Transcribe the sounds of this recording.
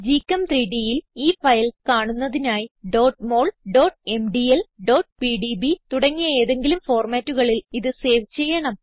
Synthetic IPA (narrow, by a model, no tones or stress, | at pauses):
d͡ʑiːkːɐmt̪riːɖijiliːfɐjlkaːɳunːɐðinaːjiɖo̞ːʈmo̞ːɭɖo̞ːʈ̚e̞mɖielɖo̞ːʈpiɖibit̪uɽɐŋːijɐe̞ːðe̞ŋɡilumfo̞ːrmaːtːuɣɐɭiliðɨse̞ːʋt͡ɕe̞jːɐɳɐm